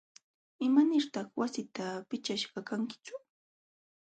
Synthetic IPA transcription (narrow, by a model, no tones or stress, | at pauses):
ɪmanɪɾt̪ɑχwasɪt̪apɪt͡ʃaʃɢɑkaŋkɪ̥t͡ʃʊ